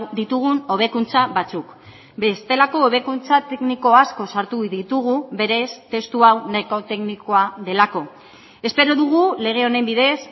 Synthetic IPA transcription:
d̪it̪uɣ̞uno̞β̞e̞kunt͡saβat͡suk | be̞st̪e̞lako̞ːβe̞kunt͡sat̪e̞kniko̞asko̞saɾt̪uðit̪uɣ̞uβe̞ɾe̞st̪e̞st̪uawneko̞t̪e̞kniko̞aðe̞lako̞ | e̞spe̞ɾo̞ðuɣ̞ule̞ɣ̞e̞o̞ne̞mbiðe̞s

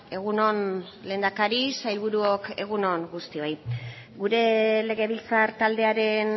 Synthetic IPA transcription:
e̞ɣ̞uno̞n | le̞ːnd̪akaɾisajlβuɾuoke̞ɣ̞uno̞ŋɡust̪io̞j | ɡuɾe̞le̞ɣe̞βilt͡saɾt̪ald̪e̞aɾe̞n

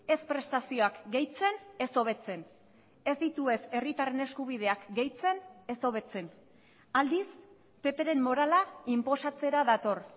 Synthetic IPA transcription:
e̞spɾe̞st̪asio̞akɡe̞jt͡se̞ne̞so̞β̞e̞t͡se̞n | e̞zd̪it̪ue̞se̞rit̪are̞ne̞skuβ̞iðe̞akɡe̞jt͡se̞ne̞so̞β̞e̞t͡se̞n | ald̪is | pe̞pe̞ɾe̞mːo̞ɾalaimpo̞sat͡se̞ɾaðat̪o̞r

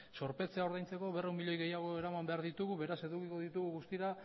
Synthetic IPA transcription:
so̞ɾpe̞t͡se̞ao̞ɾðajnt͡se̞ko̞βeremiʎo̞jɣe̞jaɣ̞o̞e̞ɾamambe̞aɾðit̪uɣuβe̞ɾase̞ðukiko̞ðit̪uɣuɣust̪iɾa

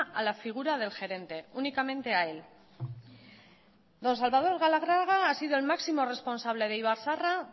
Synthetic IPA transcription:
ʔalafiɣ̞uɾað̞e̞lxe̞ɾe̞nt̪e̞unikamẽ̞nt̪e̞ae̞l | d̪o̞ns̬alβað̞o̞ɾɣalaɣ̞ɾaɣaasiðo̞e̞lmaksimo̞re̞spo̞nsaβ̞le̞ð̞e̞iβaɾsara

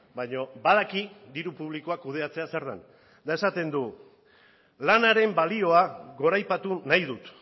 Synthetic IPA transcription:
bajɲo̞bað̞akid̪iɾupuβ̞liko̞akuð̞e̞at͡se̞asaɾða̰n | d̪ae̞sat̪e̞nd̪u | lanaɾe̞mbalio̞aɣo̞ɾajpat̪unajðut̪

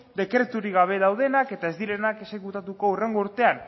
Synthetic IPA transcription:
d̪e̞kɾe̞t̪uɾiɣaβ̞e̞ðawð̞e̞nake̞t̪aezðile̞nake̞se̞kut̪at̪uko̞ure̞ŋɡo̞uɾt̪e̞an

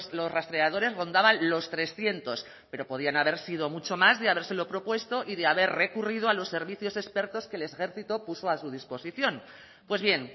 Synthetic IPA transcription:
slo̞srast̪ɾe̞að̞o̞ɾe̞zro̞nd̪aβanlo̞st̪ɾe̞sθje̞nt̪o̞s | pe̞ɾo̞po̞ð̞ianaβ̞e̞ɾsið̞o̞mut͡ʃo̞mazðeaβ̞e̞ɾselo̞pɾo̞pwe̞st̪o̞ʔiðeaβe̞ɾre̞kurið̞oalo̞sːe̞ɾβiθjo̞se̞spe̞ɾt̪o̞ske̞le̞sxe̞ɾθit̪o̞puso̞asuð̞ispo̞siθjo̞n | pwe̞zβje̞n

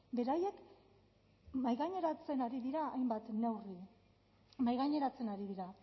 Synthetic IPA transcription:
be̞ɾaje̞k | majɣaɲe̞ɾat͡se̞naɾiðiɾaːjmbat̪ne̞wri | majɣaɲe̞ɾat͡se̞naɾiðiɾa

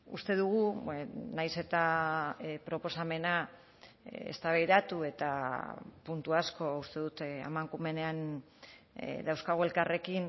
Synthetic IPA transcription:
ṵst̪e̞ðuɣunajse̞t̪a | pɾo̞po̞same̞na | ḛst̪aβajðat̪ue̞t̪apunt̪uasko̞ust̪e̞ðut̪a̰maŋkume̞nean̰ | d̪awskaɣ̞oe̞lkare̞kin

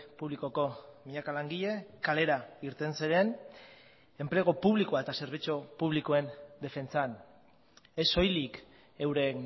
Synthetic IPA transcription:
puβliko̞ko̞miɲakalaŋɡiʎe̞kale̞ɾaiɾt̪e̞nsiɾe̞n | e̞mple̞ɣ̞o̞puβ̞likoae̞t̪ase̞ɾβ̞it͡ʃopuβ̞likoe̞nd̪e̞fe̞nt͡san | e̞so̞jlik | ewɾe̞n

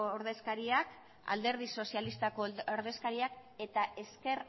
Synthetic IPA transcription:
ooɾðe̞skaɾiak | a̰ld̪e̞ɾðiso̞sialist̪akooɾðe̞skaɾiake̞t̪aʔe̞ske̞ɾ

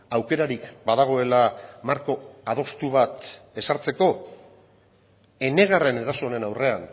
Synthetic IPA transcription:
awke̞ɾaɾikbaðaɣ̞o̞e̞lamaɾko̞að̞o̞st̪uβat̪e̞saɾt͡se̞ko̞ | e̞ne̞ɣare̞ne̞ɾaso̞ːne̞nawre̞an

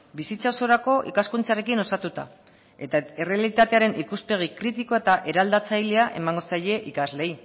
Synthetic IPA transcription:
bisit͡sao̞so̞ɾako̞ʔḭkaskunt͡sare̞kino̞sat̪ut̪a̰ | e̞t̪aere̞alit̪at̪e̞aɾe̞nʔikuspe̞ɣ̞ikɾit̪iko̞e̞t̪aʔe̞ɾald̪at͡sajle̞aʔe̞̰maŋɡo̞saje̞ʔikazle̞i

